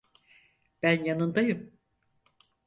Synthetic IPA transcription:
b̥ænjanɯnd̪ajɯm

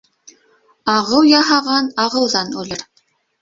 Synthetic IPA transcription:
ɑʁɤwjɑɦɑʁɑnɑʁɤ̆wðɑnʉlɘɾ

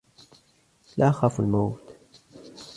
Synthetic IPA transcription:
laːʔxaːfalmawt̪

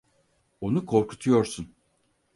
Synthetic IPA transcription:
o̞nukʰo̞ɾkʰu̥t̪ʰujo̞ɾsun

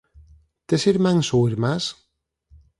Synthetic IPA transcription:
t̪esiɾmaŋsoiɾmas

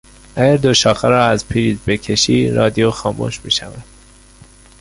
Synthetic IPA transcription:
ʔæɟæɾd̪oʃɒːxæɾɒːæzpʰiɾiːzbe̞cʰe̞ʃiːɾɒːd̪ijoxɒːmṵʃmḭːʃævæd̪̥

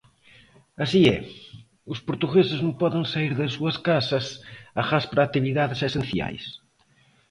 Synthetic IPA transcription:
ɐsiɛ̰ | ʊspoɾt̪uɣesɪznõŋpɔðɪŋsaiɾðɐs̬ːuɐskasɐsaɣaspɾaːt̪iβiðaðɪsesenθja̰js

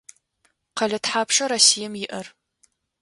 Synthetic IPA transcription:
qɐɮɐtħaːpʂɐɾɐsijɐmjɪʔɐr

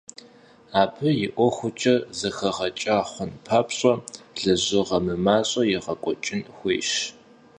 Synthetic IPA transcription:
aːpʰɨjɪʔʷɔxʷʊt͡ʃʼɐzɐxɐʁɐt͡ʃʼaːχʷʊnpʰaːpɕʼɔɮɐʑɨʁɐmɨmaːɕʼɐjɪʁɐkʷʼɔt͡ʃʼɪnxʷḛːʃ

